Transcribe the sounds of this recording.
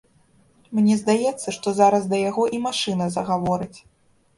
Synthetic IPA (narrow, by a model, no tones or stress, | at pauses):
mnʲɛzd̪ajɛt̪sːɐʂt̪ɔzaɾɐzd̪ɐjaɣɔʔimaʂɨnɐzɐɣavɔɾɨt͡sʲ